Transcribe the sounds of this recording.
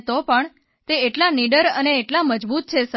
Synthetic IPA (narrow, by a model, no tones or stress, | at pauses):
t̪opəɳ | t̪eeʈlaniɖəɾəneːʈlaməd͡ʒbut̪̚t͡ʃʰesə